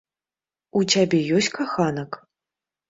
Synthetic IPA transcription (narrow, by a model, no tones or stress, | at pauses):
ut͡sʲabʲɛjɔsʲkaxanɐk